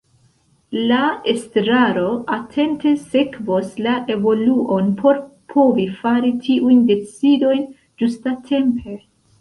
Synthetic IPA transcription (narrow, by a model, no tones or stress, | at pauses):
lae̞stɾaɾo̞ʔatʰe̞nte̞se̞kvo̞slaʔe̞vo̞luʔo̞npʰo̞ɾpʰo̞vifaɾitʰiʔujnde̞t͡sido̞jn | d͡ʒustatʰe̞mpʰe̞